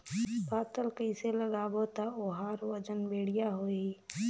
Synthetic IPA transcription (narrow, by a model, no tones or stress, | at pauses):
baːt̪əlkəɪseləɡaːbot̪aoɦaːɾwəd͡ʒənbeːɽijaɦoːiː